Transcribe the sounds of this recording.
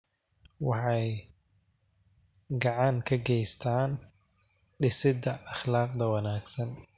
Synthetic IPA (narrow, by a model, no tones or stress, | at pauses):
wɑħɑj | ɡɑʕɑŋkʰɐɡɛjst̪ʰaːn | ɖɪsɪd̪ɐʔːχlaːqd̪ɐwɑnaːɡsɐn